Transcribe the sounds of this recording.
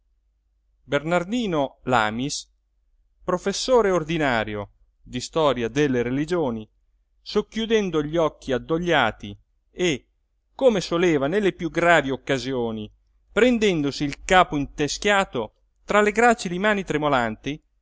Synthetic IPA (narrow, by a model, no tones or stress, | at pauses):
bernard̪iːnola̰ːmis | pɾofesːoːɾeord̪inaːɾjo̰ | d̪ist̪ɔːɾjad̪elːeɾelid͡ʒoːni | sokːjud̪ɛnd̪oʎːiɔkːiad̪ːoʎːaːt̪i | e | kːoːmesoleːvanelːepjuɡɾaːviokːazjoːni | pɾend̪ɛnd̪osiːlkaːpoint̪eskjaːt̪o | t̪ɾaleɡɾaːt͡ʃilimaːnit̪ɾemolant̪i